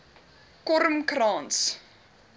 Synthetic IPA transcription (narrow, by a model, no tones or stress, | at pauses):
kɔɾəmkrɑːns